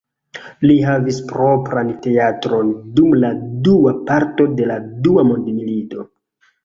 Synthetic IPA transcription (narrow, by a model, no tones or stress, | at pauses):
liɦavispɾo̞pɾante̞atɾo̞ndumladuapaɾto̞de̞laduamondmilito̞